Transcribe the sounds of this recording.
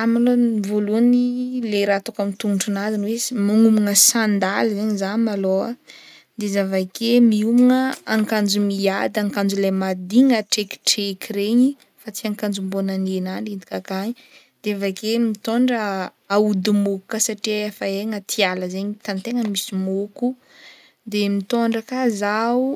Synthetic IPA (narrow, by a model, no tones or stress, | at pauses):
amalonvoluənileɾat̪okamit̪unuɳʈ͡ʂunazinwesmaŋumuŋəsand̪alizeɲzamaloa | d̪ezavakʰemiumuŋəaŋkand͡zumiad̪aŋkand͡zulamad̪iŋəʈ͡ʂeki̥ʈ͡ʂekʰiɾeɲi | fat͡siaŋkand͡zumbonanenanind̪ikakaɲi | d̪̥eavakemit̪oɳɖ͡ʐə | aud̪umoku̥kasaʈ͡ʂefaeŋət̪ʰialəzeɲit̪ant̪eŋəmisimoku | d̪emit̪oɳɖ͡ʐəkazawu